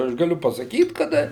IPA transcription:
ɐʃ ɡɐˈlʲʊ pɐsɐˈkʲiːt kɐˈdɐ

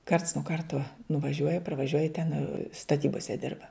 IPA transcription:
kɐrts nuɔ ˈkɐrtuɔ nʊʋɐˈʒʲuɔjɛ pɐrʋɐˈʒʲuɔjɛ tʲɛn stɐˈtʲiːboːsʲɛ ˈdʲɪrbɐ

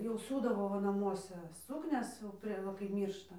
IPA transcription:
jɛʊ ˈsʲuːdɐʋoː ˈʋɐ nɐˈmuɔsʲɛ ˈsʊknʲɛs jɛʊ ˈpʲrʲiɛ ˈʋɐ kɐɪp ˈmʲiːrʃtɐ

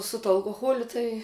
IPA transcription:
sʊ tuɔ ɐlˠkoːˈɣoːlʲʊ ˈtɐɪ

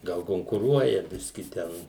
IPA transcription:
ˈɡɐlˠ koːŋkʊˈruɔjɛ ˈbʲɪsʲkʲɪ ˈtʲɛn

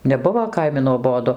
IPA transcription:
nʲɛˈbʊʋoː ˈkɐɪmʲɪ nuɔˈboːdʊ

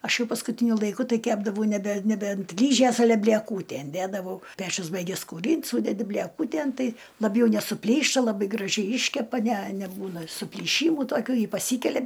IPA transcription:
ˈɐʃ ˈjɛʊ pɐskʊˈtʲiːnʲʊ lˠɐɪˈkʊ ˈtɐɪ ˈkʲæːbdɐʋɐʊ nʲɛˈbʲɛ nʲɛˈbʲɛ ɐnt ˈlʲiːʒʲeːs ɐˈlʲɛ bʲlʲiɛˈkuːtʲæn ˈdʲædɐʋɐʊ ˈpʲæːt͡ʃʲʊs ˈbɐɪɡʲɛs kuːˈrʲiːnt ˈsuːdʲɛdʲɪ bʲlʲɛˈkuːtʲeːn ˈtɐɪ lˠɐˈbʲjɛʊ nʲɛsʊˈpʲlʲiːʃtɐ lˠɐˈbɐɪ ɡrɐˈʒʲɛɪ ˈiːʃʲkʲɛpɐ nʲɛ nʲɛˈbuːnɐ sʊpʲlʲiːˈʃʲiːmuː toːˈkʲuː ˈjɪ pɐˈsʲiːkʲɛlʲɛ

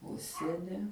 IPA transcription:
ˈʊʃʲsʲiɛnʲɪ

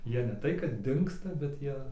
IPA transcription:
ˈjiɛ nʲɛ ˈtɐɪ kɐt ˈdʲɪŋkstɐ bʲɛt ˈjiɛ

